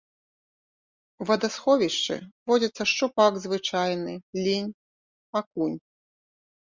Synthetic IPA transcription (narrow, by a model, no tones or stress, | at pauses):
uvɐd̪asxɔvʲiʂt͡ʂɨ̰vɔd͡zʲɐt̪sːɐʂt͡ʂupaɡzvɨt͡ʂajnɨlʲinʲ | akunʲ